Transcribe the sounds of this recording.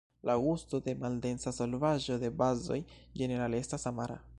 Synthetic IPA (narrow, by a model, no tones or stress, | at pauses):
lʔaɡusto̞de̞malde̞nsaso̞lvaʒo̞de̞bazo̞̰jd͡ʒe̞ne̞ɾalestasamaɾa̰